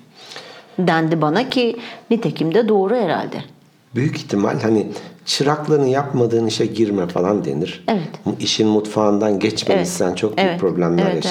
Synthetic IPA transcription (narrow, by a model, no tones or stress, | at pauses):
d̪ænd̪ibanacʰinit̪ʰecʰimd̪ɛd̪o̞ːɾujeɾæ̰lʲd̪ɪ̰ | byjyciçt̪ʰima̰lʲhanit͡ʃʰɯɾaklˠanɯjapmad̪ɯːniʃɛɟiɾmɛfa̰lˠand̪ḛniɾ̥evɛt̪iʃinmut̪faːnd̪anɟɛt͡ʃmemissænt͡ʃʰo̞k̚byyɛpʰɾo̞blʲæmlʲæɾja